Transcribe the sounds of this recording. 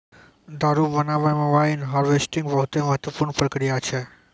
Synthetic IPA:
d̪ʱaɾubənaʋamãʋainɦaɾʋesʈĩŋɡbəɦut̪eməɦət̪ʋəpuɾɳpɾəkɾijat͡ʃʰe

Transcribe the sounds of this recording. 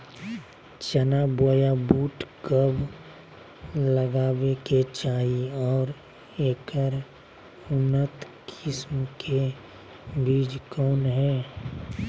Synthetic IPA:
t͡ʃənaboːjabuːʈkəb | ləɡaːweket͡ʃaːiɔːɾ | eːkəɾ | ʊnːət̪ | kʰɪsmkʰe | biːd͡ʒkɔːnɦɛː

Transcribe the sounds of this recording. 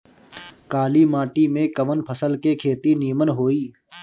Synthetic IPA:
kaːlimaːʈimẽkəʋənpʰəsəlkekʰeːt̪iniːmənɦoːiː

